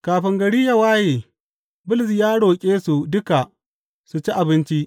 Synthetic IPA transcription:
kaː˨ɸɪ˨ŋɡɐ˨ɽiː˦jɐ˨waː˦jeː˨ | bʊ˦lɪ˨s̬jaː˦ɽoː˨kʲʼeː˦su˨dʊ˦ka˨ | su˨t͡ʃi˦ʔa˨bɪ˦nt͡ʃi˦ʔ

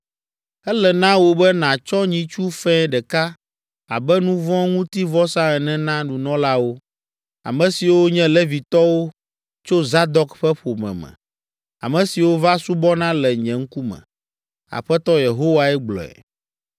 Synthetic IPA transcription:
ɛ˦lɛ˨nã˦wo˦bɛ˦nã˨t͡ʃɔ˦ɲĩ˦t͡ʃu˦fɛ̃˦ɖɛ˨ka˦ | a̰˨bɛ˦nũ˦vɔ̃˦ŋũ˦t̪i˦vɔ˦sã˦ɛ˨nɛ̃˦nã˦nũ˨nɔ̃˦la˦wo˦ | a̰˨mɛ̃˨si˨wo˦ɲɛ̃˦lɛ˦vi˨t̪ɔ˦wo˦ | t͡ʃo˦za˦d̪ɔ˨kɸɛ˦ɸo˨mɛ̰̃˨mɛ̰̃˨ | a̰˨mɛ̃˨si˨wo˦va˦su˦bɔ˦nã˦lɛ˨ɲɛ̃˨ŋ̩˦ku˦mɛ̰̃˨ | a̰˨ɸɛ˦t̪ɔ˦je˨ɦo˦wa˨ɛ˦ɡ͡blɔ̰˨ɛ̰˨

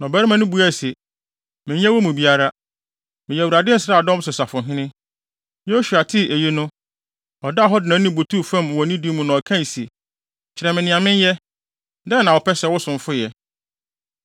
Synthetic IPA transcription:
nɔ̃˨bɛ˦ɾɪ˦mã˦nʊ̃˦bu˦æ˦˨se˨ | mɪ̃˨˦ɲɛ̃˦wɔ˦mũ˨bi˨a˦ɾa˦ | mɪ̃˨jɛ˨wu˨ɾa˨dɪ˦sɾaː˦˨dɔ̃˦m˦sʊ˨sa˨fʊ̃˨ɦɪ̃˦nɪ̃˦ | ɕu˨a˨tʰɪ˦ʔe˨ji˦nʊ̃˦ | ɔ˨da˦˨ɦɔ˦dɪ˨nã˨˦nĩ˦˨bo˨tʰu˦fã˦˨m˨wɔ˨nĩ˦di˦mũ˦nʊ̃˨ɔ˨kʰã˦˨n˨se˨ | t͡ɕʰɪ˨ɾɛ˨mɪ̃˨nɪ̃˨ã˨mɪ̃˦n˦jɛ˦ | dɛ˦nã˨wɔ˨pʰɛ˦sɛ˨wʊ˦sʊ̃˨ɱ˦fʊ˦jɛ˨

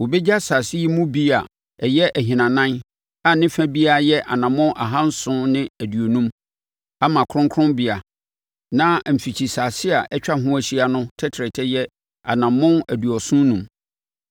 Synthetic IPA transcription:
wo˨bɛ˦d͡ʑa˦sa˨si˦i˦mũ˦bi˦a˨ | ɛ˨jɛ˦ʔæ˨ɦĩ˨nã˨nã˦n | a˨nɪ̃˦fæ̃˦bi˦a˦jɛ˦ʔa̰˨nã˨mʊ̃˦nʔa̰˨ɦã˦n̩˦sʊ̃˦nɪ̃˦æ˨dɥo˨nũ˦m | a˦mã˨kʰɾʊ̃˦ŋkʰʊ̃˦nbi˦a˨ | nã˦m̩˨fi˨t͡ɕʰi˨sa˨sɪ˦a˨ʔɛ˦t͡ɕᶣa˦ɦʊ̃˦æ˨ɕi˦a˨nʊ̃˦tʰɛ˦tʰɾɛ˨tʰɛ˦jɛ˦ | a̰˨nã˨mːʊ̃˦næ˨du˨ɔ˨sʊ̃˦nũ˨m

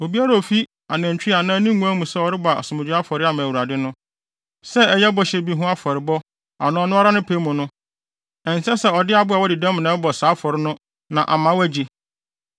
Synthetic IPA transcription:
o˨bi˦a˦ɾa˨o˨fi˦ | a˨næ̃˨ɲ˨t͡ɕᶣi˦a˨nã˦nĩ˦ŋũ˦æ˦mũ˨sɛ˦ɔ˦ɾɪ˦ba˨ɔ̰˨sʊ˨mʊ̃˨d͡ʑᶣɪ˦a˦fɔ˨ɾɪ˦a˨mã˨wu˨ɾa˨dɪ˦nʊ̃˦ | sɛ˦ɛ˦jɛ˦bɔ˦ɕɛ˨bi˦ɦʊ̃˦a˦fɔ˨ɾɪ˨bɔ˦ | a̰˨nʊ̃˦ɔ˨˦nʊ̃˦ɔ˦ɾa˦nʊ̃˦pʰe˦mũ˨nʊ̃˦ | ɛ̃˨n˨sɛ˦sɛ˦ɔ˨dɪ˦a˨bʊ˦a˨wɔ˦dɪ˨dɛ̃˦m̃˨nɛ̃˨˦bɔ˨saː˨˦fɔ˨ɾɪ˦nʊ̃˦ | nã˨ʔa˨mã˨˦wæ˦d͡ʑi˦

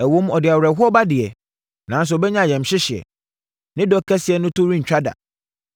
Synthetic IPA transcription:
æ˨wõ˦m˦ɔ˨dɪ˨a˨wɾɛ˨ɦʊ˦ɔ˦ba˦dɪ˨ɛ˨ | nã˨˦n˦s̬ʊ˨ɔ˨bɛ˦ɲã˦˨jɛ̃˨m̩˨ɕɪ˦ɕɪ˨ɛ̰˨ | nɪ̃˦dɔ˦kʰːɛ˦sɪ˨˦ɛ˨nʊ̃˦tʊ˦ɾĩ˦ɲ̩ᶣ˨a˦da̰˨

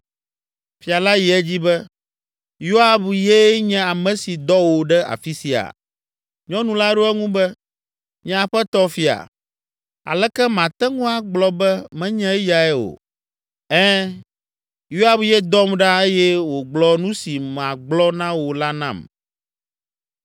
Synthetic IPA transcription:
fi˨a˨la˦ji˨ɛ˦d͡ʑi˦bɛ˦ | jo˦a˨bjɛ˦ɲɛ̃˦a˨mɛ̃˨si˨d̪ɔ˦wo˨ɖɛ˦ʔa̰˨fi˦si˨a̰˨ | ɲɔ̃˦nũ˦la˦ɖo˦ɛ˦ŋũ˦bɛ˦ | ɲɛ̃˦a˨ɸɛ˦t̪ɔ˦fi˨a̰˨ | a̰˨lɛ˦kɛ˦mã˨t̪ɛ˦ŋũ˦a˨ɡ͡blɔ˦bɛ˦mɛ̃˦ɲɛ̃˦ɛ˦ja˨ɛ˦wo̰˨ | ɛ̃˦ | jo˦a˨bjɛ˦d̪ɔ˦mɖa˦e˦jɛ˦wo˨ɡ͡blɔ˦nũ˦si˨m˨ã˨ɡ͡blɔ˦nã˦wo˨la˦nã̰˦˨m

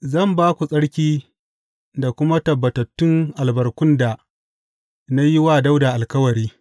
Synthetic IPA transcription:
zɐ˦˨mbaː˦kʷu˨sʼɐ˦ɽkʲiː˦ | da˨kʷʊ˦ma˦tɐ˨bːɐ˨tɐ˨tːʊ˦ŋʔa˨lbɐ˨rkʷʊ˦nda˨ | na˦jɪ˦waː˦da˦wda˨ʔa˨lkɐ˦wɐ˨ɾiː˦

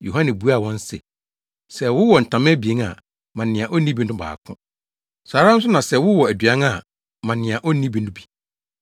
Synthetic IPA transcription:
jo˨ɦã˦nɛ̃˨bu˦a˦˨wɔ̃˦n˦sɛ̰˨ | sɛ˨wʊ˦wɔ˨n̩˨tʰã˨m̃˦bi˨e˨˦ŋa̰˨ | mã˨nɪ̃˨ã˨ʔo˦nĩ˦bi˦nʊ̃˦ba̰ː˨kʰʊ̰̃˦ | saː˨˦ɾã˦n̩˦s̬ʊ˦nã˨sɛ˨wʊ˦wɔ˨æ˨dɥã˦ŋ˦a˨ | mã˨nɪ̃˨ã˨ʔo˦nĩ˦bi˨˦nʊ̃˦bi̥˨

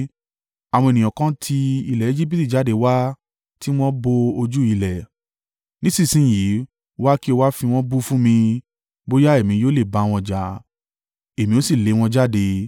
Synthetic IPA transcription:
a˨w̃ɔ̃˧e˨nĩ˨ɔ̃˨kã˧˦tʰi˧i˧lɛ˨e˦d͡ʒi˦p̬i˦˨ti˦˨d͡ʒa˨˦de˧˦wa˦ | ti˦w̃ɔ̃˦bo˧o˧d͡ʒu˦i˧lɛ˨ | nĩ˨˦sĩ˦˨sĩ˨˦˨ji˨˦ | wa˦ki˦o˧wa˦fĩ˧w̃ɔ̃˦bu˦fũ˦mĩ˧ | bo˦ja˦e˦˨mĩ˨˦joː˦le˦˨ba˨˦˧w̃ɔ̃˧d͡ʒa˨˦ | e˨mĩ˧˦o˦si˦˨le˨˦w̃ɔ̃˧d͡ʒa˦˨de˧

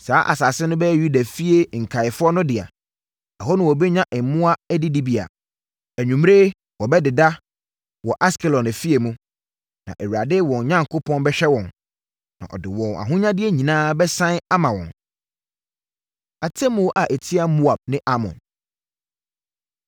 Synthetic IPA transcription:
saː˨˦ʔa̰˨sa˨sɪ˦nʊ̃˦bɛ˦ju˦da˨fi˦e˨ŋ̩˨kʰa˨ɪ˨fʊ˦ɔ˦nʊ̃˦dɪ˨a̰˨ | a˨ɦɔ˦nʊ̃˦wɔ˨bɛ˦ɲã˦ʔɛ˨˦mʊ̃˦a˦æ˦di˦di˦bi˨a̰˨ | æ˨ɲũ˨m˦ɾe˦ | wɔ˨bɛ˦dɪ˨da˦ | wɔ˨ʔa˦skʰɛ˨lɔ˨næ˨fi˦e˨mũ˦ | nã̰˨ʔɛ˨wu˨ɾa˨dɪ˦wɔ̃˨ɲ˨ɲã˦ŋkʰo˦pʰɔ̃˦nbɛ˦ɕᶣɛ˦wɔ̃˨n | nã̰˨ʔɔ̰˨dɪ˨wɔ̃˨na̰˨ɦʊ̃˦ɲã˦dɪ˦e˦ɲĩ˨nãː˦bɛ˦sã˦na˦mã˨wɔ̰̃˨n | a˨tʰɛ˦mʊ̃˨˦ʔa˨ʔæ˨tʰi˦a˦mu˦a˨b̚nɪ̃˦ʔa˦mɔ̰̃˨n

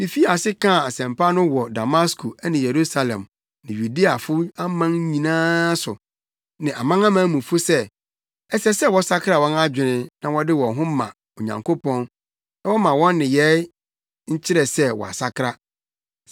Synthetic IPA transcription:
mɪ̃˨fi˦a˨sɪ˦kʰã˦˨a˨sɛ̃˨mpʰa˦nʊ̃˦wɔ˨da˨ma˦skʰu˨ɛ˦nɪ̃˨je˨ɾu˦sa˨lɛ̰̃˨m | nɪ̃˨ɥu˨di˦a˨fʊ˦a˦mã˦ŋ˦ɲĩ˨nãː˦sʊ̰˨ | nɪ̃˨ʔa˨mã˦ŋã˦mã˦mũ˨fʊ˦sɛ˦ | ɛ˦sɛ˦sɛ˦wɔ˨˦sa˦kʰɾa˨wɔ̃˦na˦d͡ʑᶣɪ̃˨nɪ̃˦nã˨wɔ˦dɪ˦wɔ̃˨ɦʊ̃˦mã̰˨ | o˨ɲã̰˨ŋkʰo˦pɔ̃˦n | na˦wɔ˦mã˨wɔ̃˦nːɪ̃˨jɛ˦ | ɲ̩˦t͡ɕʰɪ˦ɾɛ˨sɛ˦wɔ̰˨a̰˨sa˦kʰɾa˦

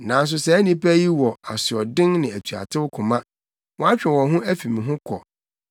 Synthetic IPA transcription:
nã˨n˦s̬ʊ˨sɛ˨æ˦nĩ˦pæ˦ji˦wɔ˨a˨sɪ˨ɔ˨dɪ̃˦ŋnɪ̃˨æ˨tʰɥa̰˨tʰɪ˦wʊ˦kʰʊ̃˨mã˦ | wɔ̃˦a˦t͡ɕᶣɪ̃˨wɔ̃˨ɦʊ̃˦æ˦fĩ˨mĩ˨ɦʊ̃˦kʰɔ̰˨

